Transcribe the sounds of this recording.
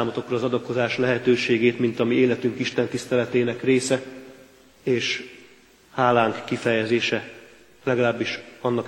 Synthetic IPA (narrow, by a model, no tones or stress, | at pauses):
aːmot̪o̞krɒːzɒd̪ɒko̞zaːʃlɛɦɛt̪øːʃeːɡeːt̪mint̪ɒmieːlɛt̪yŋkiʃt̪ɛnt̪ist̪ɛlɛt̪eːnɛkreːsɛ | eːʃ | haːlaːŋkːifɛjɛzeːʃɛ | lɛɡɒlaːbːiʃɒnːɒk